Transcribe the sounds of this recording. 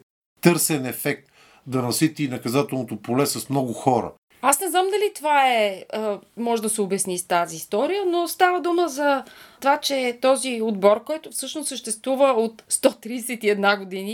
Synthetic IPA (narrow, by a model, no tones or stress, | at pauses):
t̪ɤɾsɛnɛfɛk̚t̪ | d̪ɐnɐsit̪inɐkɐzat̪ɛlˠnot̪opolɛsɐsmnɔɡʊxɔɾə̰ | asnɛznamd̪ɐlit̪ovaɛəmɔʒɛd̪ɐsɛʊbɛsnist̪aziːst̪ɔɾijənost̪avəd̪uməzɐt̪ovat͡ʃɛt̪ɔziod̪bɔɾkɔjt̪ʊfsɤʃnossəʃt̪ɛst̪vuvəot̪st̪ɔt̪ɾiːsɛt̪iɛd̪naɡod̪ini